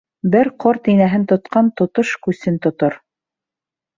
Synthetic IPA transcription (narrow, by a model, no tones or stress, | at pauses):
bɘɾqɔɾt̪inæɦɘnt̪ŏt̪̚qɑnt̪ŏt̪oʃkʉsɘnt̪ŏt̪oɾ